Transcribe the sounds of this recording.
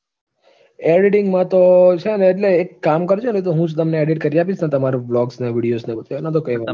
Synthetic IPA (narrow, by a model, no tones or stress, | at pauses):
eɖɪʈɪŋɡmãt̪ot͡ʃʰeneːʈleːkːamkəɾt͡ʃʰenet̪̬oɦũd͡ʒt̪əmneeɖiʈ̚kəɾiapit͡ʃʰnãt̪əmaɾeblɔɡsneʋiɽijosnebət̪enat̪̬okəjʋa